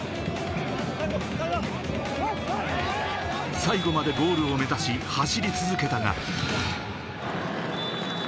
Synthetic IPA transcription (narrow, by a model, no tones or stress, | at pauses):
saiɡo̞mad̪e̞ɡo̞ːɾɯ̟o̞me̞zaɕihaɕiɾʲit͡sɨzɨke̞t̪aɡa̰